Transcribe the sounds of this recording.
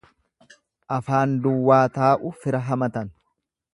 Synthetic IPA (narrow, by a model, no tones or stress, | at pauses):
ʔɐfaːnd̪ʊwːaːt̪aːʔʊfɪɾɐɦɐmɐt̪ɐn